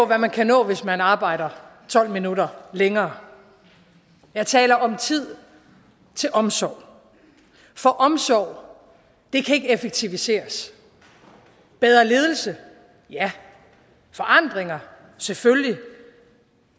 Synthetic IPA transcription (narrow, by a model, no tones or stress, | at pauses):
ɔ̽ʋæmænkʰænɔ̰̽ːʋe̝smænɑ̈ːb̥ɑ̈ɪ̰ɾ̥ɐt͡sʰɒ̽l̰minuɾɐleŋɐː | jɑ̈ɪt͡sʰɛ̰ːlɐʔɒ̽mt͡sʰið̞̰ˠ | t͡sʰe̝lʔɒ̽msɒ̰ʊ̰ | fɒ̽ʔɒ̽msɒʊ̰ | d̥e̝kʰæe̝ɡ̥əefeɡ̥̚t͡sʰiʋise̝̰ːɐs | b̥eð̞ˠɐle̝ːð̞ˠl̩sə | jæ | fɒ̽ʔɑ̈n̰d̥ʁeŋɐ | sefølji